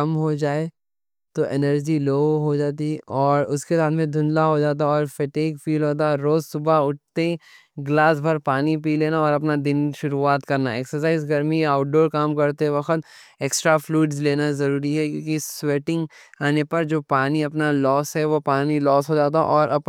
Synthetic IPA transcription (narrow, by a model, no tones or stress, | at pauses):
kɐmɦod͡ʒaːe | t̪oʔenəɾd͡ʒiloːɦod͡ʒaːt̪̬iɔːɾʊskesaːnmẽd̪ʱʊ̃nlaɦod͡ʒaːt̪̬aɔːɾfɛʈeːkfiːlɦoːt̪̬aɾoːzsʊbʱaʊʈ̚t̪e | ɡlaːs̬bʱɐɾpaːnipiːleːnaɔːɾɐp̬nad̪ɪnʃʊɾuaːt̪kɐɾnaeːksəɾs̬aːɪzɡɐɾmiaːʊʈ̚ɖoːɾkaːmkɐɾt̪eɛʋɐxət̪ | eːksʈɾafluːʈzleːnazɐɾuːɾiɦɛkjõːkisweːʈɪ̃ŋɡaːnepɐɾd͡ʒoːpaːniɐpnalɔːsɦɛʋopaːnilɔːsɦod͡ʒaːt̪̬a̰ʔɔːɾʔɐp